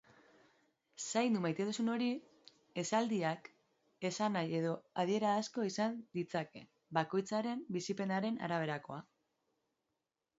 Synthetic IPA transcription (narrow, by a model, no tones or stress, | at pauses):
sajnd̪umajt̪enusuno̞ɾi | e̞sald̪iak | e̞sanaje̞ðo̞að̞ie̞ɾaːsko̞isand̪it͡sake̞ | bako̞jt͡saɾe̞mbisipe̞naɾe̞na̰ɾaβ̞e̞ɾako̞̰a